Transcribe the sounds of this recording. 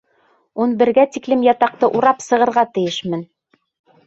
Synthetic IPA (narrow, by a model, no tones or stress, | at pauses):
unbɘ̆ɾɡæt̪iklɘmjɑt̪ɑq̚t̪ɤʔuɾɑpsɤ̆ʁɤ̆ɾʁɑt̪ɘ̆jɘʃmɘn